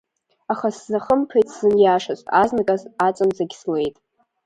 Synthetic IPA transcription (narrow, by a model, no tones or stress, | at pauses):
aχasːaχəmpʰejtʰʼzɨnjaːʂasʷʼtʼaznakʼazat͡sʷʼanzaɡʲsle̞jtʼ